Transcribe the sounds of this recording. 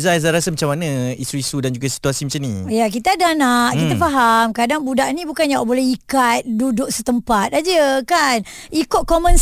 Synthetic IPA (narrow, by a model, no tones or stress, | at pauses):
zazaɾasəmat͡ʃamanə̃isuisudand͡ʒuɡasi̥t̪uasimat͡ʃanḭ̃jak̬it̪aadanaʔkit̪afaɦamkadaŋbudaʔnĩbukanjawaʔbolɛhikat̪̚dudʊʔ̚sət̪əmpat̪̚ad͡ʒəkanikot̪̚komə̃ns